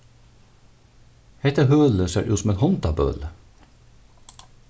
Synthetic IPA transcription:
hɛt̪əhøːləsḛːɾʔʉːsɔmeːnhɔnt̪ɑbø̰ːlə

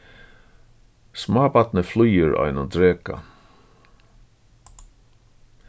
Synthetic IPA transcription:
smaːbat̪nəflujəɾa̰jnad̪ɾeːka̰

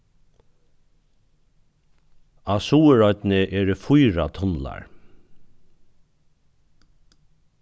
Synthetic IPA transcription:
asuːəɹɔt̪nɪʔɛːɾɪfʊjɾat̪ʰɔnla̰ɹ

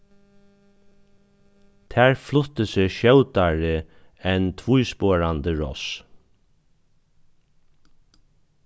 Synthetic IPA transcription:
t̪ʰæːɹflʊt̪əsɪʃœwt̪aɹɪ | ɛnt̪ʰvujspoːɹant̪əɹɔ̰s

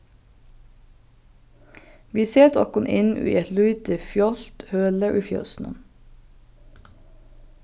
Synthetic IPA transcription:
ʋiːseːt̪ʰɔ̰kʊnʔɪ̰nʔʉ̰ːʔɛt̪lʉʏt̪əfjɔlt̪høːləʔʉːfjɑ̰snə̰m

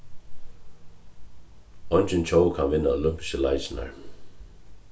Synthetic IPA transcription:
ɔnt͡ʃɪnt͡ɕʰowkʰanvɪnːaolʏmpɪ̥ʃəlajt͡ʃɪna̰ɹ

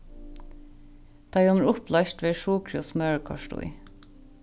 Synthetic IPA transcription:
d̪̥ɑɪɔnəɹʊplɑʃʈʋeːʃuːkʰɹʊsmœɹkʰɑ̰ʃʈʊ̰ɪ

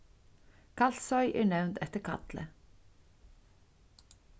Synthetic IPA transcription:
kʰɑlsɔʏʔḛːɳɛʋnt̪ɛt̪əkʰɑ̰t̪lə̰

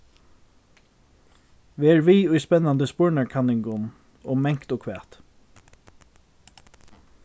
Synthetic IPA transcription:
ʋiːɛːɹʋiːʊjspɛnːand̪əspʊɹnaɹkʰanɪŋɡʊn | ɔːmɛŋkt̪ɔkʰʋæːt̪

